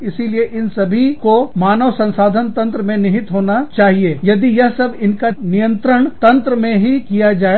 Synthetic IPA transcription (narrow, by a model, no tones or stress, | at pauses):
ɪsilieʔɪnsɐbʱikomaːnəʋsɐ̃nsaːd̪ʱənt̪ɐ̃nt̪ɾəmẽnɪɦɪt̪ɦoːnat͡ʃaːɦieːjɐd̪ijɐɦsɐbɪnkanɪjə̃nt̪ɾəɽ̃t̪ɐ̃nt̪ɾəmẽɦikijad͡ʒaːe